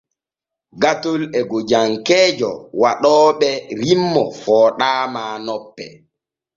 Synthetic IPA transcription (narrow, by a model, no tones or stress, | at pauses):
ɡatulɛɡɔd͡ʒaŋkɛːd͡ʒɔwaɗɔːɓɛɾimːɔ̰fɔːɗaːmaːnɔpːɛ̰